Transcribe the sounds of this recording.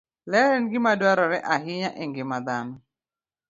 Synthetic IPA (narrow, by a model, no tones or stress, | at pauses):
lɛɾɛnɡɪmadwaɾɔɾɛʔaɦɪɲaʔeŋɡɪmad̪anɔ